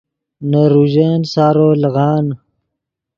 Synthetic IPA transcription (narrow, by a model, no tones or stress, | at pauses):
naɾuʒansaːɾoːlɣɑːn